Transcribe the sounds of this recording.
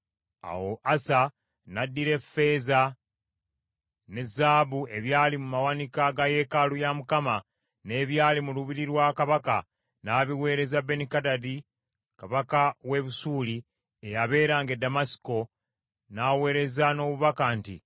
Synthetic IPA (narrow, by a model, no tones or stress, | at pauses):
a̰wo̞ʔasa | nadːiɾe̞fe̞ːza | ne̞zaːβue̞βjaːlimumawanikaɡaje̞kalujamukama | ne̞ːβjaːlimuluβiɾiɾwakaβaka | naːβiwe̞ːɾe̞zabːe̞nikadadi | kaβakawe̞βusuːli | ejaβe̞ːɾaːŋɡe̞damasi̥ko̞ | naːwe̞ːɾe̞zano̞ːβuβakantḭ